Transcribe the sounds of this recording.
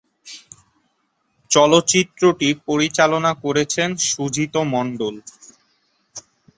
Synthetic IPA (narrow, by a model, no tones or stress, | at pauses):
t͡ɕɔlot̪ːɕit̪ːɾoʈipoɾit͡ɕalonakoɾet͡ɕʰenʃud͡ʑʱit̪omɔɳɖol